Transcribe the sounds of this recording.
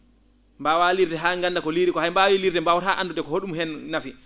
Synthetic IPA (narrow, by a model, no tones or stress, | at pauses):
mbawaliɾdɛɦaːŋɡandakɔliɾikɔɦajmbawiliɾdɛmbawaɾɦaʔanːdudɛkɔhoɗumɦɛnːafi